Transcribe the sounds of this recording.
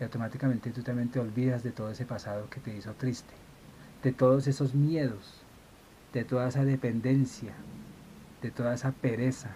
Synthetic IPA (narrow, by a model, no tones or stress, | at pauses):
awt̪o̞mat̪ikame̞nt̪et̪ut̪ambjent̪eo̞lβiðazd̪e̞t̪oðoese̞pasaðo̞ke̞t̪e̞iso̞t̪ɾist̪e̥ | d̪̥et̪o̞ðo̞se̞so̞zmje̞ðo̞s | d̪̥e̞t̪o̞ðaesaðe̞pe̞nd̪e̞nsja | d̪̥e̞t̪o̞ðaesape̞ɾe̞sa